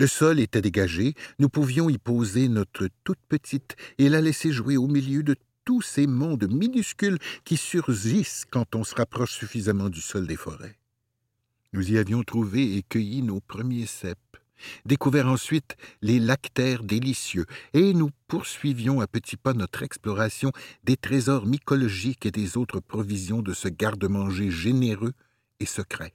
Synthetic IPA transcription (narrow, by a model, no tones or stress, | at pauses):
ləsɔlet̪ɛd̪eɡaʒenupuvjɔ̃ipozenɔt̪χət̪ut̪̚pət̪ʰit̪elalɛseʒuweomiljød̪ə | t̪usemɔ̃d̪minyskʲylkʲisyʁʒiskɑ̃t̪ɔ̃səʁapχɔʃsyfizamɑ̃d̪ysɔld̪efɔ̰ʁɛ̰ | nuziavjɔ̃t̪χuveekʲəjinopʁəmjesɛp̚ | d̪ekuvɛʁɑ̃sɥit̪lelakt̪ɛːʁd̪elisjøenupuʁsɥivjɔ̃apət̪ʰipanɔt̪χɛksplɔʁasjɔ̃d̪et̪ʁezɔʁmikɔlɔʒiked̪ezot̪χəpχɔvizjɔ̃d̪əsəɡaʁd̪əmɑ̃ʒeʒeneʁø | esəkʁɛ